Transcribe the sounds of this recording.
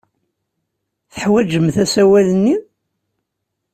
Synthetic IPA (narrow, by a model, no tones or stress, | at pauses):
θəħwæd͡ʒəmθæsæwæðənːi